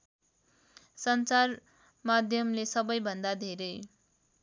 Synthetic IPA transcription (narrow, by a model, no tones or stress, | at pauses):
sʌnt͡sar | mad̪ʱjʌmlesʌbʌjbʱʌnd̪ad̪ʱeɾʌj